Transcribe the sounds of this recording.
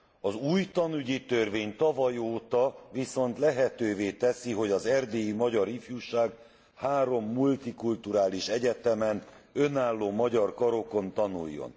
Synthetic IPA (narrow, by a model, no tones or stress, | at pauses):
ɒzuːjt̪ɒnyɟit̪ø̞rveːɲt̪ɒvɒjoːt̪ɒviso̞nt̪lɛɦɛt̪øːveːt̪ɛsiɦo̞ɟɒzɛrd̪eːjimɒɟɒɾifjuːʃaːɡ | haːɾo̞mːult̪ikult̪uɾaːliʃɛɟɛt̪ɛmɛnø̞naːlːoːmɒɟɒrkɒɾo̞ko̞nt̪ɒnṵjːo̰n